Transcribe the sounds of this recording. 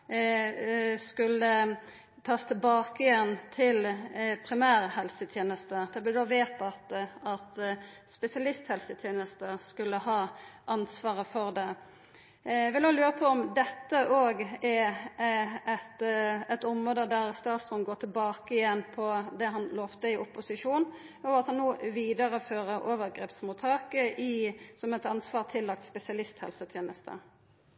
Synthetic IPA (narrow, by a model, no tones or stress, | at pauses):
skʉlːə | t̪ʰɑːst̪ʰɪlbɑːkəɪjɛnt̪ʰɪlpʰʁɪmæːɾhɛlsət̪ʰjeːnəst̪əd̪̥ɛblɪd̪ɔʋeːt̪ɑt̪ɑt̪ | spɛsɪɑlɪst̪hɛlsət̪ʰjeːnəst̪əskʉlːəhɑːʔɑnsʋɑːʁəfɔʁd̪ɛ | ʋɪloːlʉːʁəpʰɔɔmd̪ɛt̪ːəʔoːɡɛ | ɛt̪ɛt̪ɔmʁoːd̪əd̪æʁst̪ɑːt̪st̪ʁɔnɡoːt̪ʰɪlbɑːkəɪjɛnːpʰɔd̪ɛɦɑnloːft̪əɪʔʊpːʊsɪʂuːn | ɔɑt̪hɑnːuːʋiːd̪əɾəføːʁəʔoːʋəʁɡɾeːpsmuːt̪ʰɑːkəʔɪsɔmɛt̪ɑnsʋɑːʁt̪ʰɪlːɑk̚t̪spɛsɪɑlɪst̪hɛ̰lsət̪ʰjeːnəst̪ə̰